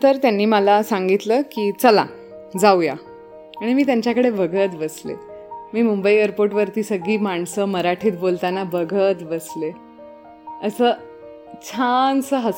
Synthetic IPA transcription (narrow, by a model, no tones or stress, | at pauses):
t̪əɾt̪janːiːməlasaŋɡit̪ləːkiːt͡səla̰ | d͡zauja̰ | aɽ̃imiːt̪jaɲt͡ɕakəɽebʱəɡʱət̪bəslḛmiːmumbəieɾpoɾʈʋəɾt̪iːsəɡiːmaɳsəməɾaʈʰiːt̪bolt̪anabəɡʱət̪bəsle | əsəː | t͡ɕʰansəɦəs